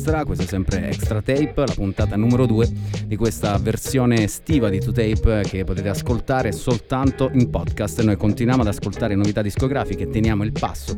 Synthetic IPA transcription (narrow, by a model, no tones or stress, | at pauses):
st̪ɾakwesosɛmpɾḛɛ̰kst̪ɾat̪ɛjplapunt̪aːt̪anumeɾod̪uːed̪ikwest̪aversjoːnest̪iːvad̪it̪ut̪ɛjpk̟epːot̪eːt̪easkolt̪aːɾesolt̪ant̪oʔimpɔd̪kast̪nojkont̪inwjaːmoad̪askolt̪aːɾenovit̪ad̪ːiskoɡɾaːfiket̪ːenjaːmoilpa̰sːo